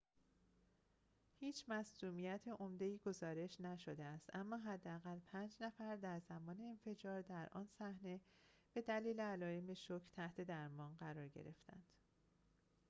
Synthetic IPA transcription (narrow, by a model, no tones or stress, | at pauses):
hiːt͡ʃʰmæsd̪uːmijæt̪ʰeʔo̞md̪e̞iːɡo̞zɒːɾe̞ʃnæʃo̞d̪eæst̪æmːɒːɦæd̪ːeæɣælpʰænd͡ʒnæfæɾd̪æɾzæmɒːne̞ːnfe̞d͡ʒɒːɾd̪æɾʔɒ̰ːnsæhne̞ | b̥e̞d̪æliːleælɒːjemeʃocʰt̪ʰæht̪ʰe̞d̪æɾmɒːnɢæɾɒːɾɟḛɾe̞̰ft̪ʰæ̰nd̪̥